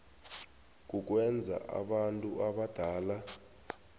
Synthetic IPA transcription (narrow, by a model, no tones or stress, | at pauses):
k̬ʼuk̬wɛnd͡zʱa̰ʔa̰ɓantʼuaɓad̥ʱaːla